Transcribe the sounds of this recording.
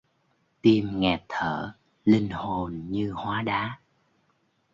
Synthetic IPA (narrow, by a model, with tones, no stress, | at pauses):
t̪i˧mŋɛ˨˩t̪ʰəː˧˩˨ | li˧ŋ̟ho˨˩nɲɨ˧hwaː˨˦ɗaː˨˦